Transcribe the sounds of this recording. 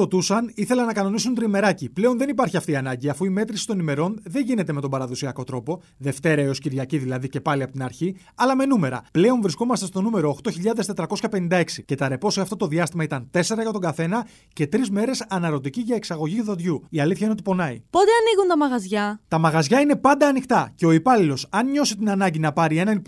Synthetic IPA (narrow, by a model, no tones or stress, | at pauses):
ot̪usɐniθe̞lɐnɐkɐno̞nisunt̪ɾime̞ɾɐciple̞o̞nðe̞nipɐɾçiɐft̪iɐnɐɲɟiɐfuime̞t̪ɾisi̥t̪o̞nime̞ɾo̞nðe̞ɲʝine̞t̪e̞met̪o̞mbɐɾɐðosiɐko̞t̪ɾo̞po̞ | ðe̞ft̪e̞ɾɐeo̞sciɾʝɐciðilɐðice̞pɐliɐpo̞t̪inɐɾçi | ɐlɐme̞nume̞ɾɐ̰ple̞o̞nvɾisko̞mɐst̪est̪o̞nume̞ɾo̞ːxt̪o̞çiʎɐðest̪e̞t̪ɾɐko̞sçɐpe̞nind̪ɐe̞ksice̞t̪ɐɾe̞po̞seɐft̪ot̪o̞ðiɐst̪imɐit̪ɐnt̪e̞se̞ɾɐʝɐt̪o̞ŋɡɐθe̞nɐ | ce̞t̪ɾizme̞ɾe̞sɐnɐɾo̞t̪iciʝɐeksɐɣo̞ʝiuðoðʝuiɐliθçɐinot̪ipo̞nɐḭpo̞t̪eɐniɣunt̪ɐmɐɣɐzʝɐt̪ɐmɐɣɐzʝɐine̞pɐnd̪ɐːnixt̪ɐce̞o̞ipɐlilo̞sɐnɲo̞sit̪inɐnɐɲɟinɐpɐɾie̞nɐn